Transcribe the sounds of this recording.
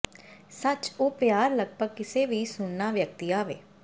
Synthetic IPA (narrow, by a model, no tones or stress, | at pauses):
sət͡ʃoːpjaːɾləɡ̚bəɡ̚kɪseːʋiːsʊɳnaːʋjək̚t̪iːaːʋḛː